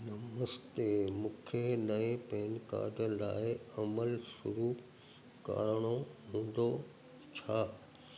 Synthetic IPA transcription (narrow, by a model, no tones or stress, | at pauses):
nɐməst̪emũːkʰenɐẽpɐ̃ɦɪnka̰ːɖənlaːɪɐməlʃʊɾu | ka̰ːɾəɽ̃o | ɦũːn̆d̪o | t͡ɕʰaː